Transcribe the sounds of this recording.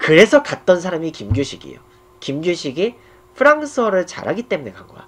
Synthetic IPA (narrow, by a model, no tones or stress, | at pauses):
kɯɾe̞sʰʌkat̚t͈ʌns̬ʰaɾamikimɡjoɕʰiɡḭjo̰ | kimɡjoɕʰiɡe | pʰɯɾaŋs͈ʰʌɾɯɭt͡ɕa̰ɾɦaɡit͈e̞mune̞kaŋɡoja̰